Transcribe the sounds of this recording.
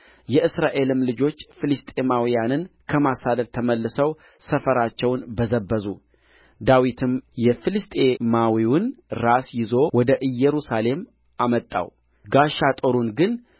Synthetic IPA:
jɛʔɨsɾaʔe̞lɨmlɨd͡ʒo̞t͡ʃːfɨlɨst̪ʼe̞mawijanɨnkʰəmasad̪əd̪̚t̪ʰəməlːɨsəw | səfəɾat͡ʃːɛwnbəzəbːəzu | d̪awit̪ʰɨmjɛfɨlɨst̪ʼe̞mawiwʊnɾasjɪzo̞wɔd̪əʔɨjːɛɾusale̞m | ʔamət̪ʼːa̰w | ɡaʃat̪ʼoɾunɡɨn

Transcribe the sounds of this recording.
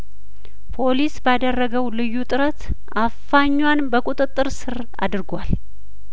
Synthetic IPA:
pʰo̞lisbad̪ərːəɡəwlɨjːut̪ʼɨɾət̪ | ʔafaɲːwanbəkʼut̪ʼɨt̪ʼːɨɾsɨɾ | a̰d̪ɨɾɡʷal

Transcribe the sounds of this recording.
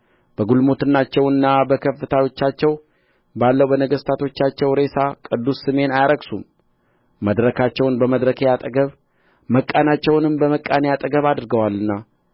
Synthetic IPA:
b̥əɡulmo̞t̪ɨnːat͡ʃːɛwɨnːabəkʰəfːɨt̪ʰawo̞t͡ʃːat͡ʃːɛw | balːəwbənəɡəst̪ʰat̪ʰo̞t͡ʃːat͡ʃːɛwɾe̞sakʼɨd̪ːusːɨme̞najaɾəɡsum | məd̪ɾəkʰat͡ʃːɛwnbəməd̪ɾəkʰejat̪ʼəɡəβ | məkʼːanat͡ʃːɛwnɨmbəməkʼːanejat̪ʼəɡəβad̪ɾɡəwalːɨnːa

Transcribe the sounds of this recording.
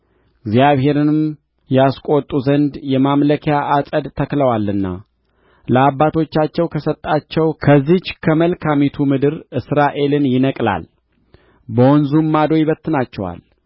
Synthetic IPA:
ɨɡzjaβhe̞ɾɨnɨmm | jɛaskʷʼo̞t̪ʼuzənd̪jɛmamləkʰejaʔasʼəd̪t̪ʰəkləwalːɨnːa̰ | ləabːat̪ʰo̞t͡ʃːat͡ʃːɛwkʰəsət̪ʼːat͡ʃːɛwkʰəzːit͡ʃkʰəməlkʰamit̪ʰumɨd̪ɨɾɨsɾaʔe̞lɨnjɪnəkʼla̰l | bəwɔnzumːad̪ojɪβət̪ːɨnat͡ʃːɛwa̰l

